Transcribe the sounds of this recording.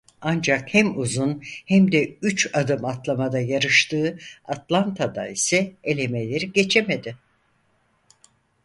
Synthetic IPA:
and͡ʒakhæmuzunhæmd̪ɛyt͡ʃad̪ɯmat̪lˠamad̪ajaɾɯʃt̪ʰɯːat̪lˠant̪ʰad̪a̰isɛelʲe̞melʲɛɾɟe̞t͡ʃʰeme̞d̪ɪ

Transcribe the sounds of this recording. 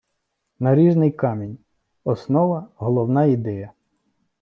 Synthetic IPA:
nɐɾʲiʒnɪjkɑmʲinʲ | ɔsnɔʋɐɦɔlˠɔwnɑid̪ɛjɐ

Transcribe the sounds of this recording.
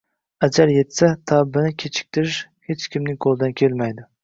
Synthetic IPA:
ad͡ʒaɾjet̪sat̪ʰabːɪnɪkʲʰet͡ʃʰɪ̥k̚ʲt̪ʰɪɾɪʃ | het͡ʃkʲʰɪmnɪŋqʰolˠd̪ankʲʰelmajd̪ɪ

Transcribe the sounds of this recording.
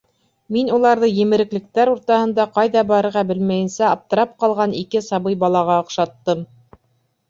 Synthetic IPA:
minulˠɑɾðɤjɘ̆mɘ̆ɾɘ̆klɘ̆k̚t̪æɾuɾt̪ɑhɤ̆nd̪ɑqɑjðɑbɑɾɤ̆ɾʁɑbɘlmæjɘ̆nsæɑp̚t̪ɤ̆ɾɑp̚qɑlˠʁɑnikɘsɑβɤjbɑlˠɑʁɑŏqʃɑt̪ːɤm

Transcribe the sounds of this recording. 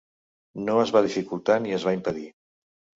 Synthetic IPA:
noəzβaðifikulˠt̪aniəzβaimpəði

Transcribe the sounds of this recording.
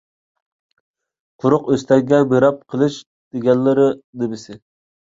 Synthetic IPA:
qʰʊɾʊqøst̪ʰɛkʲɡʲɛbeɾɑp̚qʰəlˠɨʃ | d̪̥eɡʲɛnːɪɾɨd̪ɪbɪsɪ

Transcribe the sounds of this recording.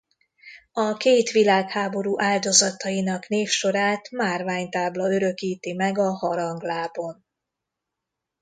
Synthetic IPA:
ɒkeːt̪ʋilaːkhaːbo̞ɾuːʔaːld̪o̞zɒt̪ɒjinɒkn̪eːfʃo̞ɾaːt̪maːrvaːɲt̪aːblɒøɾø̞kiːt̪imɛɡɒhɒɾɒŋɡlaːbo̞n

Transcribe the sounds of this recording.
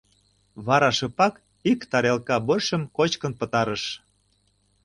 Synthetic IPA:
βɑɾɑʃɤ̆pɑk | ikt̪ɑɾelkɑbɤʃə̆mkot͡ɕkə̆npə̆t̪ɑɾəʃ

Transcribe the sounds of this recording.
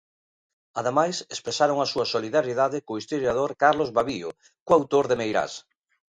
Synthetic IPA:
aðemajsespɾesaɾoŋasuɐsoliðaɾjiðaðɪkoist̪oɾjað̞oɾkaɾlozβaβio̰ | koawt̪oɾðemejɾa̰s

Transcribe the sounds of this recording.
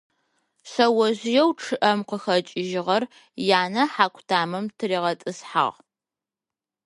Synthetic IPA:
ɕɐwɐʑjɛwʈ͡ʂʰɨʔɐmqəxɐt͡ʃʼɪʒɪʁɐr | jaːnɐħaːkʷʰtʰaːmɐmtʰɨɾiːʁɐtʼɨsħa̰ʁ

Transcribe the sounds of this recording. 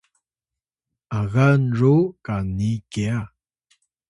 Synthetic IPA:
aɣanrukanikea

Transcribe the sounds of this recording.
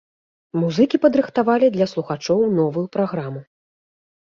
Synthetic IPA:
muzɨkʲipɐd̪ɾɨxt̪avalʲid̪lʲɐslˠuxat͡ʂɔwnɔvujupɾaɣɾamu

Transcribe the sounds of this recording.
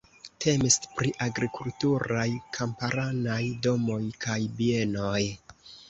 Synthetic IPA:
tʰe̞mispɾiʔaɡɾikultuɾajkʰampaɾanajdo̞mo̞jkʰajbie̞no̞j

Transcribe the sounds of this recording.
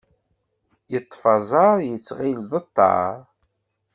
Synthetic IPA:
jət̪ˤːfɑzˤɑɾjət͡sːʁilðˤət̪ːɑ̰ɾˤ

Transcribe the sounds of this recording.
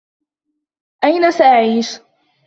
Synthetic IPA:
ʔajnasaʔaʕiːʃ

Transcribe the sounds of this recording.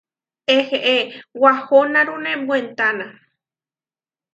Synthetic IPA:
eheʔewahonãɾunẽmbwent̪anã

